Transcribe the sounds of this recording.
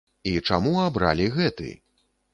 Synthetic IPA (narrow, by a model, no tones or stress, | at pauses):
it͡ʂa̰muabɾa̰lʲiɣɛt̪ɨ̰